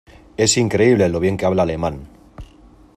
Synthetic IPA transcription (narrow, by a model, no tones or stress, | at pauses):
e̞siŋkɾe̞iβ̞leloβ̞je̞ŋkeaβlaːle̞mãn